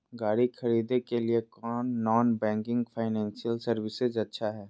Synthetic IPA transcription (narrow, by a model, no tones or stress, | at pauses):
ɡaːɽixʰɐɾiːd̪ekeliekɔːnːɔːnbɛ̃ːŋkɪ̃ŋɡfʰaːɪnɛ̃ːnsijəlsɐɾwɪsɪzɐtːʃʰaɦɛː